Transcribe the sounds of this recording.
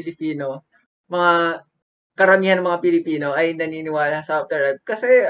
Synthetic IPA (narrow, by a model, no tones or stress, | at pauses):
ɪlɪpiːno̞ | mɐŋa | kɐɾɐmiːhɐnɐŋmɐŋapɪlɪpiːno̞ʔɐjnɐniːnɪwaːlɐsɐʔof̚d̪ɛɹlajb̚kɐsɛ